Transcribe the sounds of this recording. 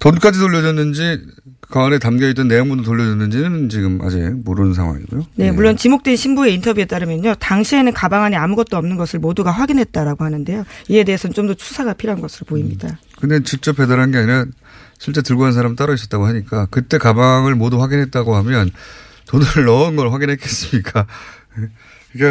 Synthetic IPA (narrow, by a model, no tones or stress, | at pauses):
tonk͈ad͡ʑitoʎːjʌd͡ʑʌnːɯnd͡ʑikaunetamɡʌit͈ʌnːe̞joŋbudot̬oʎːʌd͡ʑʌnːɯnd͡ʑinɯnt͡ɕiɡɯma̰d͡ʑimoɾɯnsʰa̰ŋɦwa̰ŋḭɡujone̞muɭːont͡ɕimok̚t͈wenɕʰimbue̞intʰʌbjue̞t͈aɾɯmjʌɲotaŋɕʰie̞nɯnkabaŋɦaniamuɡʌt̚t͈oʌmnɯnɡʌsʰɯɭmoduɡaɸwaɡinɦe̞t̚t͈aɾaɡohanɯnde̞joie̞de̞ɦesʰʌt͡ɕomdʌt͡ɕʰu̥sʰaɡapʰiɾoɦanɡʌsʰɯɾopoimɲida | kɯnde̞t͡ɕik̚t͡ɕ͈ʌpʰe̞daɾɦanɡe̞aɲinʌn | ɕʰiɭt͡ɕ͈e̞tɯɭɡoɦansʰaɾamt͈aɾʌis͈ʌt͈aɡoɦaɲik͈akɯt͈e̞kabaŋɯɭmoduɸwaɡinɦe̞t̚t͈aɡohamjʌn | tonɯɾɯɭːʌɯnɡʌɭɸwaɡinɦek͈es͈ɯmɲik͈a | e | iɡe